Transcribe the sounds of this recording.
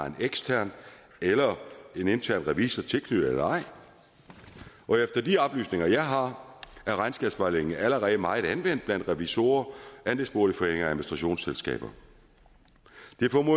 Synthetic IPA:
ɑ̈e̝neɡ̥st͡sʰæɐ̰n | elɐe̝ne̝nt͡sʰæɐ̰nʁɛʋḭːsɐt͡sʰe̝lkʰnyð̩ˠelɐɑ̈ɪ̰ | ʔɒ̽efd̥ɐd̥iɒ̽b̥ly̰ːsne̝ŋɐjɑ̈ɪɦɑ̈æɐʁɑ̈ɪnsɡ̥æb̥sʋɑ̈ɪle̝ŋn̩æləʁɛːð̩əmɑ̈ɪð̩ˠænʋen̰d̥̚b̥læn̰d̥ʁɛʋiso̝̰ːɐʔænd̥esb̥o̝ːɐlifɒ̽ḛŋ̰ɐæðˠminisd̥ʁɑ̈ɕo̝̰ːnselsɡ̥ɛ̰ːb̥ɐ | d̥e̝fɒmo

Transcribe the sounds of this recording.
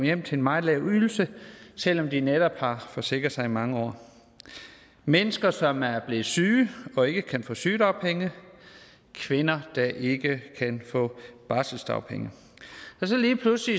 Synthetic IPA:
jem̰t͡sʰe̝enmɑ̈ɪlɛʊyl̩səsel̰ɒ̽md̥ined̥ɒb̥hɑ̈fɒ̽se̝ɡ̥ʁɐsɑ̈ɪimɑ̈ŋəɒ̰ː | menəsɡ̥ɐsɒ̽mæɐb̥le̝ːð̩ˠsyːɒ̽e̝ɡ̥əkʰænfɔ̰̽ːsyːd̥ɒ̈ʊpʰeŋə | kʰʋe̝nɐd̥ɑ̈ʔe̝ɡ̥əkʰænfɔ̰̽ːb̥ɑ̈ːsl̩sd̥ɑ̰ʊpʰeŋə | ɒ̽sɒ̽liːpʰlusli

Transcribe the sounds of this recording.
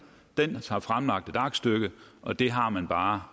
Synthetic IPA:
d̥enɑ̈fʁamlɑ̈ɡ̥̚d̥e̝d̥ɑ̈ɡ̥sd̥øɡ̥əʔɒ̽d̥e̝ɦɑ̈mænb̥ɑ̈ː

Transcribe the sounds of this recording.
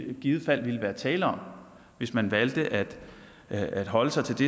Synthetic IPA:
ɡ̥ið̩ˠfæl̰ʋiləʋæːɐt͡sʰɛːləɒ̽m̰ | ʋe̝smænʋæld̥əʔæd̥ | æd̥ɦɒ̽ləsɑ̈ɪt͡sʰe̝ld̥e̝

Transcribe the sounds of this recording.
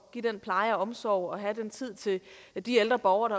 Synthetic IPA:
ɡ̥id̥enpʰlɑ̈ɪəɒɒ̽msɒ̰ʊɒ̽ɦæd̥ent͡sʰið̞̰ˠt͡sʰe̝d̥ield̥ʁɐb̥ɒʊɐɾ̥ɑ̈

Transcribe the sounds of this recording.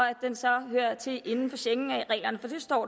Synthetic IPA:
æd̥ensɒ̽ɦøɐ̰t͡sʰe̝ʔe̝nn̩fɒ̽ɕeŋn̩æʁɛ̰ːlɐnəfɒ̽d̥ʰysd̥ɒ̰ː

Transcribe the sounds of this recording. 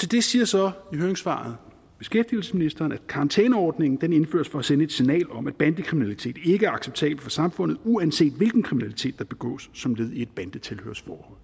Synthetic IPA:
t͡sʰed̥e̝siːɐsɒ̽iɦøɐeŋsfɑ̰̈ð̩ˠ | b̥e̝sɡ̥efd̥iəl̩səsminisd̥ɐːnæ̥kʰɑ̈ɑ̈nt͡sʰɛːnəɒːd̥ne̝ŋn̩d̥ene̝nfø̰ːɐsfɒ̽æsenəe̝d̥sinɛ̰ːlɒ̽mæd̥b̥ænd̥əkʰʁiminælit͡sʰe̝̰ːd̥e̝ɡ̥əæɐɑ̈ɡ̥seb̥̚t͡sʰɛ̰ːb̥l̩fɒ̽sɑ̈mfɔ̽n̰ð̩ˠuænse̝̰ːd̥ʋe̝lɡ̥n̩kʰʁiminælit͡sʰe̝̰ːd̥ːɑ̈b̥e̝ɡ̥ɔ̰̽ːsːɒ̽mle̝ð̞ˠied̥̚b̥ænd̥ət͡sʰe̝lhø̰ɐsfɒːhɒ̽l̰

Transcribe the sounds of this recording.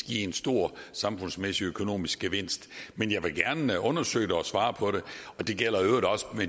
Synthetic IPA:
ɡ̥iensd̥o̝ɐ̰sɑ̈mfɔ̽nsmesiøkʰo̝no̝̰ːmisɡ̥əʋe̝n̰sd̥menjɑ̈ɪʋe̝lɡ̥æɐnɔ̽nɐsø̰ɪd̥eɒ̽sʋɑ̈ːpʰɒ̽ɾe̝ɒ̽d̥e̝ɡ̥el̰ɐøʊdɒ̽sə̥me

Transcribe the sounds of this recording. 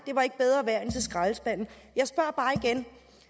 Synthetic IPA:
d̥e̝ʋɑ̈e̝ɡ̥əb̥eð̞ˠʁɐːʋæɐent͡sʰe̝lsɡ̥ʁɑ̈lsb̥æn̰n̩ˠ | jɑ̈ɪsb̥ɶɐ̰b̥ɑ̈ːiɡ̥en

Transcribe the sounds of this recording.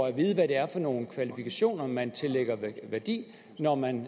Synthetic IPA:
æʋiːð̞ˠʋæɾ̥e̝æɐfɒ̽no̝ːn̩kʰʋælifikʰæɕo̝̰ːnɐmænt͡sʰe̝leɡ̥ɐʋæɐd̥ḭː | nɒmæn

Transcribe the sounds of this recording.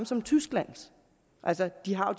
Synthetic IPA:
msɒ̽mt͡sʰysɡ̥læn̰s | ʔælsɐd̥iɦɑ̈d̥

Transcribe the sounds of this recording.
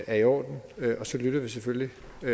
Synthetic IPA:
ʔæɐiɒ̰ːd̥n̩øʔɒ̽sɒ̽lyɾ̥ɐʋis̬efølli

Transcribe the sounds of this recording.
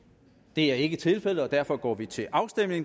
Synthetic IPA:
d̥e̝æɐe̝ɡ̥ət͡sʰe̝lfel̰əɒ̽d̥æɐfɒ̽ɡ̥ɒ̰ːʋit͡sʰe̝lʔɑ̈ʊsd̥em̰ne̝ŋ

